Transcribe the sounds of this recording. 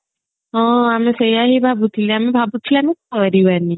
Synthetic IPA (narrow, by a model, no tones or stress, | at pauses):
ɔ̃amesejaɦibʱabut̪ʰiliamibʱabut͡ʃʰilɛamikəɾiʋani